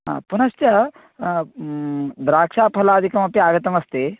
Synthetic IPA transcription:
a̰punɐst͡ʃɐ | d̪ɾaːkʂaːpʰɐlaːd̪ʱikɐmɐpiaːɡɐt̪ɐmɐst̪eː

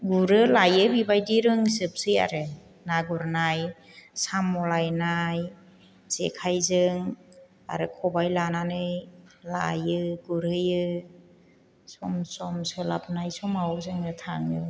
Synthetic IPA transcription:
ɡuɾɯlajɯbibajdiɾɯŋsɯp̚sɯja̰ɾɯ | naɡuɾnaj | samːɔlajnaj | z̥ḛkʰajzɯŋ | a̰ɾɯkʰɔbajlananɯjla̰jɯɡuɾɯjɯ | sɔmsɔmsɯla̰p̚najsɔmawzɯŋɯtʰaŋɯ

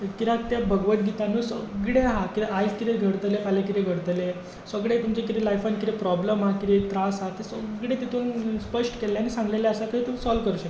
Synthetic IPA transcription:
kiɾat̪jabʱəɡʋət̪ɡit̪anuːsəɡɽeɦakit̪eajskit̪eɡʱəɽt̪lekalakit̪eɡʱəɽt̪le | səɡɽet̪umt͡ɕek̬it̪elajfankit̪epɾɔbləmɦakiɾet̪ɾasɦat̪ːesəɡɽet̪it̪ʰuːnspəʂʈə̥keljanisãŋɡleleəsakəit̪um̤iːsɔlʋkəɾuːɕək̪

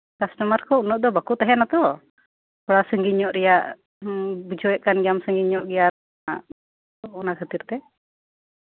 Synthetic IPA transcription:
kasʈɔmaɾkɔunɔʔ̚d̪ɔbakut̪ɛɦɛnat̪ɔ | kɔɽasəŋɡiɲɔʔɾɛjaʔ | bud͡ʒɔɛʔkanɡjamsəŋɡiɲɔʔɡɛja | aʔ | ɔɔnakʰət̪iɾt̪ɛ

